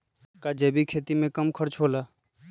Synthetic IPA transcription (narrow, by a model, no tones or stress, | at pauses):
kad͡ʒeːbikʰeːt̪imẽkəmkʰəɾt͡ʃʰoːlaː